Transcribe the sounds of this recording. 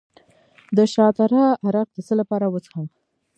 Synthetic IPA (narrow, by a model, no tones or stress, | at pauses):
d̪əʃɑt̪aɾɑaɾaq̚d̪əsəlapɑɾawət͡sə̥xəm